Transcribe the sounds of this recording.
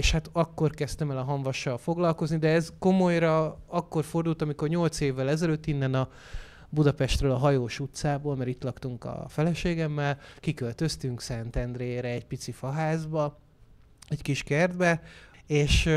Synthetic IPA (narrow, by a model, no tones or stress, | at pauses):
eʃhat̪ɒkːo̞rkɛst̪ɛmɛlɒɦɒɱvɒʃːɒlfo̞ɡlɒlko̞znid̪ɛɛzko̞mo̞jɾɒɒkːo̞rfo̞rd̪ult̪ɒmiko̞rɲo̞lt̪seːvːɛlɛzɛløt̪ːinːɛnɒ | bud̪ɒpɛʃt̪røːlɒɦɒjoːʃut̪saːboːlmɛɾit̪lɒkt̪uŋkɒ̰fɛlɛʃeːɡɛmːɛlkikølt̪ø̞st̪yŋksɛnt̪ɛnd̪reːɾɛːɟpit̪sifɒɦaːzbɒ | ɛckiʃkɛrd̪bɛeːʃ